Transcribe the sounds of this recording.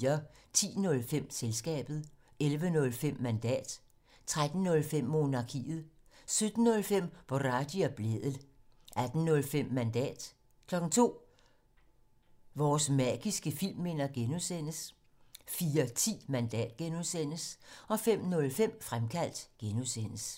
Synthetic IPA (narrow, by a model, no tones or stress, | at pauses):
ɐt͡sʰḭːnɔ̽lfem̰selsɡ̥ɛ̰ːb̥ð̞̩ˠ | elʋənɔ̽lfem̰ːænd̥ɛ̰ːd̥ | t͡sʰʁad̥n̩ːɔ̽lfem̰ːo̝nɑ̈kʰḭːð̩ˠsød̥n̩ːɔ̽lfem̰ʋ̥ɒʁɑ̈d̥iæb̥leðˠəl̩ˠʔæd̥n̩nɔ̽lfem̰ːænd̥ɛ̰ːd̥ | kʰlɒ̽ɡ̥ŋ̩t͡sʰo̝̰ː | ʋɒːsmæɡ̥isɡ̥əfil̰mːe̝nɐɡ̥enusen̰əs | fiːɐt͡sʰḭːmænd̥ɛ̰ːd̥ɡ̥enuðˠsen̰əsɒ̽fem̰nɔ̽lfem̰fʁamkʰæl̰d̥ɡ̥enusen̰əs